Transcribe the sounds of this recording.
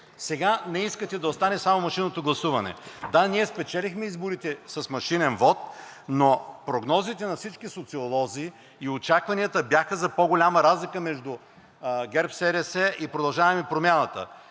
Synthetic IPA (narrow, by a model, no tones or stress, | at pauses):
sɛɡanɛiskət̪ɛd̪ɐost̪anɛsamomɐʃinot̪oɡlˠɐsuvɐnɛ̰d̪aniɛspɛt͡ʃɛlʲixmɛizboɾit̪ɛsɐsmɐʃinɛnvɔt̪̚nopɾoɡnɔzit̪ɛnɐfsit͡ʃkisot̪siolˠɔzi | iot͡ʃakvɐniət̪əbjaxəzɐpoɡolʲaməɾazlʲikəmɛʒd̪ʊ | ɡɛɾpsɛɾɛsɛipɾod̪ɐlˠʒavɐmɛpɾomʲanət̪ə̰